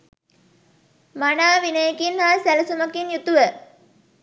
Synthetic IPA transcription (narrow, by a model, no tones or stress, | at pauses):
manaːʋinəjekinhaːsæləsuməkinjut̪uʋə